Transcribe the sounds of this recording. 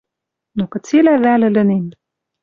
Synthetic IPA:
nokɘ̆t͡selævælɘ̆lɘ̆nem

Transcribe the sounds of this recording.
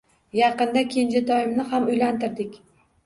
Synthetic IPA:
jɑqɨnd̪akʲʰend͡ʒat̪ʰɒjɪmnɪhamʊjlant̪ɪɾd̪ɪkʲ

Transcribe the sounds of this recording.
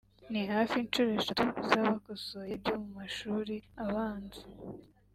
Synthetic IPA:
nihaːfint͡ʃuɾoeʃatuzaβakosojebɟomumaʃuːɾiaβaːnzu

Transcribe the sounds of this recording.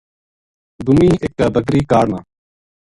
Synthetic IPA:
d̪ʊmĩːʔekːaːbəkɾiːkaːɽnãː

